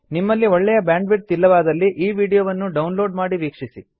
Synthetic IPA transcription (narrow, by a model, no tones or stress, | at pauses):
nimːɐlːiɔɭːɛjɐbjaːɳɖʋiʈ̚t̪ilːɐʋaːd̪ɐlːiʔiːʋiːɽijoːʋɐnːuɖɐwnloːɖmaːɽiʋiːkʂisi